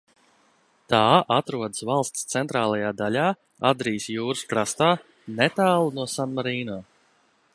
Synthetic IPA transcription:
t̪aːʔat̪ɾuɔd̪ə̥svalˠst̪st̪sɛnt̪ɾaːlˠajaːd̪alʲaː | ad̪ɾiːsjuːɾɨ̥skɾast̪aː | net̪aːlˠunuɔsanmaɾiːnaː

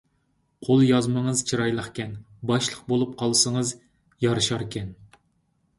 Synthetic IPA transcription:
qʰolˠjɑzmɨɴəzt͡ʃʰɨɾɑjlˠɑχkʲɛn | bɑʃlˠəq̚bolˠup̚qʰɑlˠɨsɨŋəz | jɑɾɨʃɑɾkʲɛn

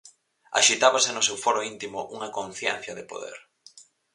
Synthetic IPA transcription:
a̰ʃit̪aβasɪnʊsewfɔɾoint̪imʊʔuŋɐkõn̟θjɛ̰n̟θjɐðɪpo̰ðḛɾ

